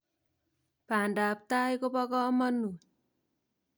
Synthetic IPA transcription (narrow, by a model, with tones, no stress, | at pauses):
pa˨nda˨p̚ta˦jko˦pɔ˦kɔ˦mʌ˦nu˨